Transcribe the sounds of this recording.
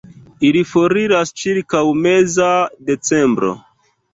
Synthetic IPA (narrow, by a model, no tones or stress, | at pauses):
ilifo̞ɾiɾast͡ʃiɾkawme̞zade̞t͡se̞mbɾo̞̰